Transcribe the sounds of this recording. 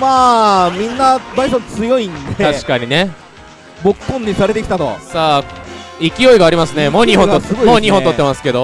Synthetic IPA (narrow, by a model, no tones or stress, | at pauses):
maːmʲĩnːabaisõnt͡sɨjo̞ĩnd̪e̞t̪aɕi̥kaɲ̟ine̞ | bokpːõɲ̟ːisaɾe̞t̪e̞kʲi̥t̪at̪o̞̰saːikʲijo̞iɡaːɾʲimasɨne̞moːɲiɦõnosɨɡomoːɲiɦõnt̪o̞t̪ːemasɨ̥ke̞d̪o